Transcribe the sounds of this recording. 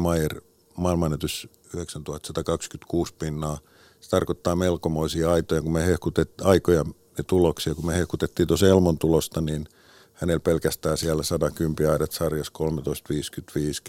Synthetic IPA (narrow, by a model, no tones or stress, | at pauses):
mɑjer | mɑˑilmɑnːet̪ys | yheksænt̪uhɑt̪sɑt̪ɑkɑkskyt̪kuːspinːɑː | se̥t̪ɑrkot̪ːɑːmelkomoisiɑɑit̪ojɑkumehehkut̪etɑikojɑ | net̪uloksiɑkumehehkut̪et̪ːiːnt̪uoselmont̪ulost̪ɑniːn | hænelpelkæst̪æːsiælæsɑtɑkympiɑidɑt̪sɑrjɑskolmet̪oist̪ʋiːskyt̪ʋiːs